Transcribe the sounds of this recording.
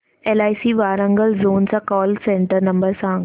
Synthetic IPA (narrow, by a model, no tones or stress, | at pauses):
eːlaːisiːʋaːɾə̃ŋɡəlzoːnsãkɔːlsẽːɳʈəɾnɐ̃mbəɾsã